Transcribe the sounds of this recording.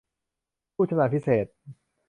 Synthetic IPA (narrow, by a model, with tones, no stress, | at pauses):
pʰu˥˩t͡ɕʰa˧na˨˩pʰi˦˥seː˨˩t̪̚